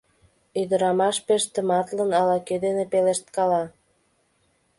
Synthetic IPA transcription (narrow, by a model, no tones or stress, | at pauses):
yd̪əɾɑmɑʃpeʃt̪ə̆mɑt̪lənɑlɑked̪enepeleʃt̪kɑlɑ